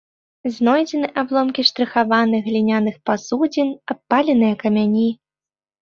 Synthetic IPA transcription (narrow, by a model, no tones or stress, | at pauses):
znɔjd͡zʲɛnɨʔablˠɔmkʲiʂt̪ɾɨxavanɨɣlʲinʲanɨxpasud͡zʲinapːalʲɛnɨjɐkɐmʲanʲi